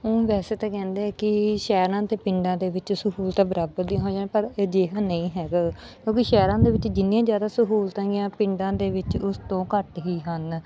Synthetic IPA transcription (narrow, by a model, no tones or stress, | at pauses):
õːʋɛːseːt̪ãːkɛ̃ːnd̪eːɛːkɪʃɛːɾãːt̪eːpɪɳɖãːd̪eːʋɪt͡ʃsəɦuːlt̪ãːbəɾaːbəɾd̪ĩɦõːd͡ʒaːnepəɾd͡ʒeːɦãːnəĩːɦɛːɡaː | kjõːkiʃɛːɾãːd̪eːʋɪt͡ʃd͡ʒɪnijãːzjaːd̪aːsʊɦuːlt̪ãːɡɪjãːpɪ̃ɳɖãːd̪eːʋɪt͡ʃʊst̪õːkəʈɦiːɦən